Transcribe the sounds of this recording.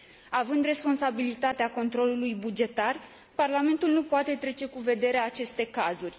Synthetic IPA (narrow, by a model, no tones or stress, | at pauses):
avɨnd̪re̞spo̞nsabilit̪at̪eako̞nt̪ɾo̞lulujbud͡ʒe̞t̪ar | parlame̞nt̪ulnupoat̪e̞t̪ɾe̞t͡ʃe̞kuve̞d̪e̞ɾeat͡ʃe̞st̪e̞kazurʲ